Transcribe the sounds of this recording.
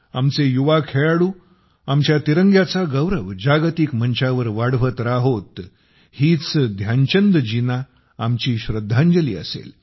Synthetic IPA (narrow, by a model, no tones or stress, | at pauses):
amt͡sejuʋakʰeɭaɽuː | amt͡ɕjat̪iɾəŋɡjat͡saɡəwɾəʋd͡ʑaɡt̪ikm̤əɲt͡ɕaʋəɾʋaɽʋət̪ɾaɦot̪ | hiːt͡sd̪ʱjaɲt͡ɕənd̪əd͡ʑina | amt͡ɕiːɕɾəd̪ʱːaɲd͡ʑəlḭːə̰sḛl